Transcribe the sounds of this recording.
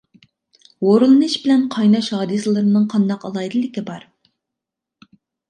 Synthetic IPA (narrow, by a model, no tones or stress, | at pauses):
woɾulˠɨnɨʃbɪlɛnqʰɑjnɑʃɦɑːd̪ɨsɨlˠɨɾɨnɨŋqʰɑnd̪ɑqɑlˠɑjd̪ɨlˠːɪkʲibɑɾ